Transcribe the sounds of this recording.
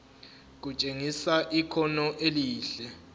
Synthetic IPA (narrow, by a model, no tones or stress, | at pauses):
k̬ut͡ʃʼeŋisaʔikʰɔnɔʔeliːɬɛ